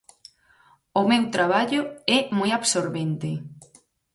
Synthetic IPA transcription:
ʊmewt̪ɾaβ̞aʎʊɛmojaβsoɾβent̪ɪ

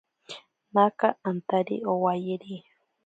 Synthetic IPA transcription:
nakaːnt̪aɾḭʔowajeɾi

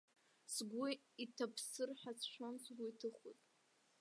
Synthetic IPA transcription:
sɡʷu | itʰapʰsɨrħʷat͡sʰʃʷʰonsɡʷuitʰɨχutʼ

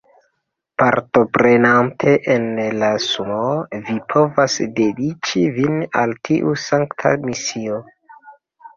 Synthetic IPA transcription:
paɾto̞pɾe̞nantʰe̞ʔenlasumovipʰo̞vasde̞dit͡ʃivinaltʰiʔusaŋktʰa̰misio

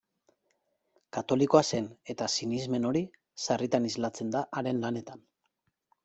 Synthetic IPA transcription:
kat̪o̞liko̞ase̞ne̞t̪asinizme̞no̞ɾi | sarit̪anizlat͡se̞nd̪aʔːɾe̞nlane̞t̪an

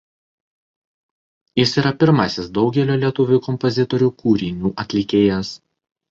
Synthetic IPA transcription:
jɪsiːɾɐpʲɪɾmɐsʲɪsd̪ɒʊɡʲɛlʲoːlʲiɛt̪ʊʋʲuˑkɔmpɔzʲɪt̪ɔɾʲuːkuːɾʲɪnʲuːʔɐt̪ʲlʲɪkʲeːjɛs

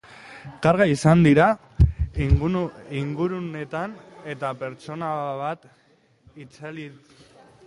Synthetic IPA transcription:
kaɾɣaisand̪iɾa | iŋɡuɾune̞t̪ane̞t̪ape̞ɾt͡ʃo̞naβat̪ | it͡sali

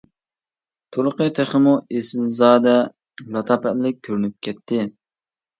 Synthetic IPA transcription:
t̪ʰuɾʊqət̪ʰeχəmuesɪlzɑːd̪ɛ | vɑt̪ʰɑpɛt̪lɪk̚ʲkʲʰːøɾynyp̚kʲʰɛt̪ʰːɪ

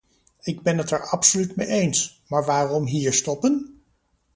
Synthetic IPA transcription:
ɪɡbɛnɦətɛɹɑpsolytmejʔejnsmaːɹʋaːrɔmɦiːɹstɔpən

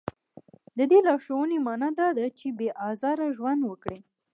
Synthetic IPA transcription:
d̪əd̪elɑʃawənemɑnɑd̪ɑd̪at͡ʃebeʔɑzɑɾaʒwand̪wəkɽi

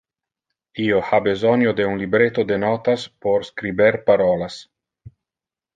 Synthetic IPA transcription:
iohabezɔnjod̪eunlibɾet̪od̪enɔt̪aspoɾskɾibeɾpaɾɔlas

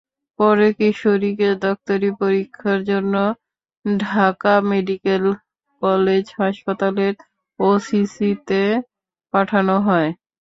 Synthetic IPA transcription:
pɔɾekiʃoɾiked̪ɔk̚t̪oɾipoɾikʰːaɾd͡ʑonːo | ɖʱakameɖikel | kɔled͡ʑɦaʃpat̪aleɾ | osisit̪e | paʈʰanoɦɔe

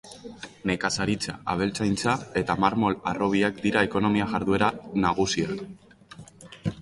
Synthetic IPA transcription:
ne̞kasaɾit͡saaβ̞e̞lt͡sajnt͡sae̞t̪amaɾmo̞laro̞β̞iakd̪iɾae̞ko̞no̞miaʝaɾðue̞ɾanaɣ̞usia

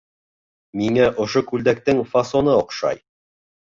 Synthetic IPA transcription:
miŋæʔŏʃokʉld̪æk̚t̪ɘŋfɐsonɤŏqʃɑ̰j

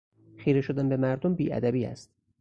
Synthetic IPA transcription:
xiːɾeʃod̪ænbemæɾd̪ombiːʔæ̰d̪æbiːæ̰st̪

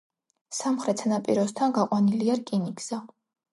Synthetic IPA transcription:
samχɾɛt̪sʰanapʼḭɾɔst̪ʰanɡaqʼwaniliaɾkʼinikz̥a

